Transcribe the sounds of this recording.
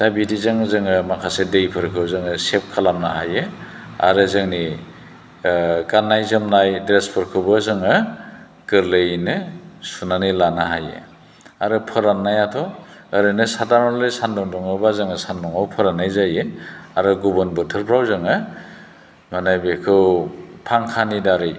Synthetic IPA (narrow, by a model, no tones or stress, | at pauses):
d̥abidizaŋzɯŋɯmakʰasedejpʰɯɾkʰɯwzɯŋɯsep̚kʰalamnaɦajɯ | a̰ɾɯzɯŋni | ɡanːajzɯmnajdɾespʰɯɾkʰɯbɯzɯŋɯ | kɯɾlejnɯsunanɯjlanaɦajḛ | aɾɯpʰɯɾanːajatʰɔɯɾɯnɯsadaɾmlɯjsandɔŋdɔŋɯbazɯŋɯsandɔŋawpʰɯɾanːajzajɯaɾɯɡubɯnbɯtʰɯɾpʰɾawzɯŋɯ | manajbikʰɯwpʰaŋkʰanidaɾɯj